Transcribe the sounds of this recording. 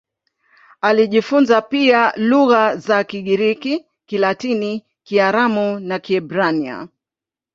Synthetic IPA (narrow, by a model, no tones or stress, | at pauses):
aliʄifunzapialuɣazakiɠiɾiki | kilatini | kiaɾamunakiɛbɾania̰